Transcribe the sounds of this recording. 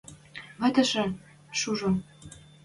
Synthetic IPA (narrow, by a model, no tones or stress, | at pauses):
βə̆t̪ə̆ʃɘ̆ | ʃuʒo